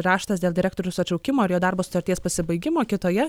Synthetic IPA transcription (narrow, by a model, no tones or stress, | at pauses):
ɾɑːʃt̪ɐsd̪ʲeːlˠd̪ʲɪɾʲækt̪oːɾʲʊsɐtʲt͡ʃʲɐʊkʲɪmoːɪɾjoːd̪ɑɾboːsʊ̥t̪ɐɾʲt̪ʲiɛspɐsʲɪbɐɪɡʲɪmoːkʲɪt̪oːjɛ